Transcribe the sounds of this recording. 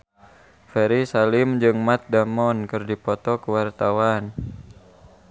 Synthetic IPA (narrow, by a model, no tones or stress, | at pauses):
fɛɾisalɪmd͡ʒɨŋmat̪̚damɔnkɨrdipɔt̪ɔkəwart̪awan